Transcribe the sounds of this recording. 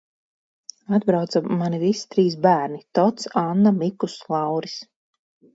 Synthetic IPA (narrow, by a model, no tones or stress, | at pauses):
ad̪bɾawt̪saːanivisi̥t̪ɾiːs̬bæːɾnit̪ɔt̪sanːamikuslˠɑwɾis